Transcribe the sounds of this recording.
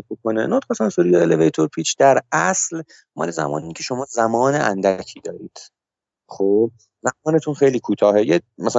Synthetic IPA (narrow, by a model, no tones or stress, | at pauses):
bokʰonḛnot̪xɑsɑnsuɾijeelevejt̪ʰoɾpʰiːt͡ʃʰd̪æɾæsl | mɒ̰ːlezæ̰mɒ̰ːnincʰe̞ʃo̞mɒːzæmɒːneʔæ̰nd̪æcʰiːd̪ɒːɾiːd̪̥ | χob̚ | zæmɒːne̞t̪ʰunxejliːkʰuːt̪ʰɒːɦejemæsæ